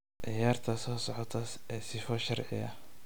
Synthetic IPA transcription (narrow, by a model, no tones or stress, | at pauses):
ʕɪjaːrt̪ʰɐsɔːsɔʕɔt̪ʰɐɛsɪfɔʃɐrʕɪ̰ɐ